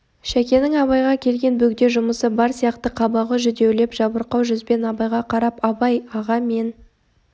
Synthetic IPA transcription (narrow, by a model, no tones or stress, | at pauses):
ʃækʲe̞nɪŋɑβɑjʁɑkʲʰe̞lɡʲe̞nbɵɡd̪e̞ʒʊməsəbɑɾsijɑqt̪əqʰɑbɑʁəʒʏd̪e̞wle̞pʒ̥ɑbəɾqɑwʒʏzbe̞nɑbɑjʁɑqʰɑɾɑpɑbɑjɑʁɑme̞n